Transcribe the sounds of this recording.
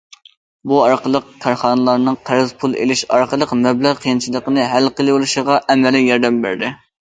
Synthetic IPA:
buɑɾqəlˠəq̚kʲʰɑɾχɑːnɨlˠɑɾnɨŋqʰæɾɨzpʰulˠḛlɪʃɑ̰ɾqəlˠəqmɛblæʁqʰijint͡ʃʰilˠəqənɨɦælqəlˠɨolˠuʃəʁɑʔɛmɛlɪjɑɾd̪ɛmbæ̰ɾd̪ɪ

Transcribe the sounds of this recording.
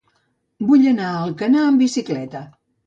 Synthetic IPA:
buʎənaəlˠkənaəmbisiklɛt̪ə

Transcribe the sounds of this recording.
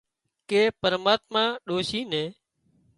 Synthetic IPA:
keːpəɾmaːt̪mãːɗoːʃiːnẽː

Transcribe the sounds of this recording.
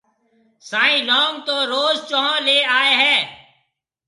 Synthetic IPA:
saːĩːnɔːmt̪oːɾoːzt͡ʃoɦõːleːaːeːɦɛː

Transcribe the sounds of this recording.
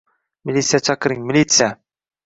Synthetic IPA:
mɪlʲit̪sijat͡ʃʰɑqɾɪŋmɪlʲit̪sɨja

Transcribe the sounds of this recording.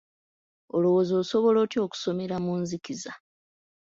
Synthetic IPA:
olo̞wo̞zo̞ːso̞βo̞lo̞ːtjo̞ːku̥so̞me̞ɾamunzikiza

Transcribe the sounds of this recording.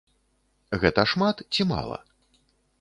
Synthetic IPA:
ɣɛt̪ɐʂmat̪t͡sʲima̰lˠɐ̰

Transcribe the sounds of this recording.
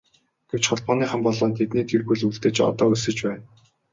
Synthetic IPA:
ɡ̥ew̥t͡ɕχɔɮpɔːniːχə̆mpɔɮɔːnt̪ʰet̪niːt̪ʰirɣujɮuɮt̪ĕːt͡ɕɔ̰t̪ɔːɵsɘ̆t͡ɕpæːn

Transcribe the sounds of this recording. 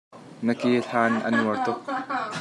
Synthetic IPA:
nəkiːɬaːnʔɐ̰nuərt̪ʊk̚

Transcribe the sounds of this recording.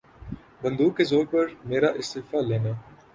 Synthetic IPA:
bɐ̃nd̪uːkːezoːɾpɐɾmeːɾaʔɪst̪ɪːfaleːnaː

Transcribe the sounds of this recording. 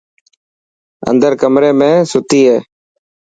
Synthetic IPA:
ə̰nd̪əɾkəmɾeːmẽːsʊt̪iːɦeː

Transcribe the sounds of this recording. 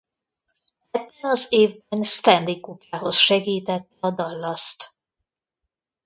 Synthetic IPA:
ɛbːɛnɒzeːvbɛnst̪ɛnd̪ikːupaːɦo̞sʃɛɡiːt̪ɛt̪ːɛɒd̪ɒlːɒst̪

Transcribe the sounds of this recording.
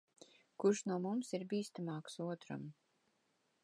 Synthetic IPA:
kuɾʃnuɔmumsiɾbʲiːst̪amaːksuɔt̪ɾa̰m

